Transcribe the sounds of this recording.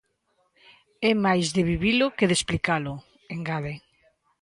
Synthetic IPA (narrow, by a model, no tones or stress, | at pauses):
ɛmajzðeβiβilʊkeðesplikalʊ | eŋɡaðe